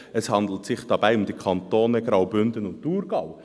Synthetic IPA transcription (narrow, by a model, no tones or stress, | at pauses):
ɛshɑnd̪l̩tsɪχd̥ɑbæɪʊmd̪ikʰɑntoːnɛɡɾɑwbʏndənʊnttuːɾɡ̥ɑw